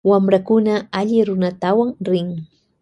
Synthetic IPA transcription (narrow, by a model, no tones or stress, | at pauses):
wamɾakʊnaaʎɪɾʊnat̪awaŋɾɪŋ